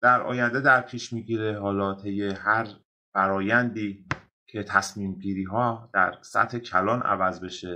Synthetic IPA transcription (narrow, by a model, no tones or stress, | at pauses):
d̪̥æɾʔɒ̰ːjænd̪e̞d̪æɾpʰiːʃmiːɟiːɾe̞ɦɒːlɒːt̪ʰe̞jːe̞hæɾ | fæɾɒːjænd̪iː | kʰe̞t̪ʰæsmiːmɡiːɾiːɦɒːd̪̥æ̰ɾsæ̰t̪he̞cʰælɒːnʔæ̰væzbe̞ʃe